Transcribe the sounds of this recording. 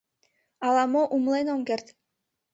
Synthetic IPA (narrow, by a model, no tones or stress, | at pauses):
ɑlˠɑmoʔumlˠenomɡert̪